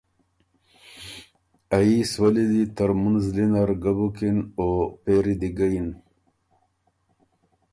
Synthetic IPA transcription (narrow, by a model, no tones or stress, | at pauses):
aiswalid̪it̪əɾmunzlinaɾɡabukinopeɾid̪iɡain